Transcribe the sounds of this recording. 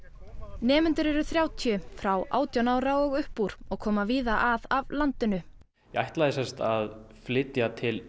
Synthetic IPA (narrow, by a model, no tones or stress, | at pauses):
nɛːmʏnt̪ʏɾɛɾʏθɾjaːwt̪ʰjʏfɾawʔa̰ːwt̪janaːwɾaɔɣʏhpuɾ̥ɔɣkʰɔːmaviːðaʔaðavlant̪ɪnʏ | jɛajht̪lajðɪsɛ̥st̪að | flɪt̪jat̪ʰɪl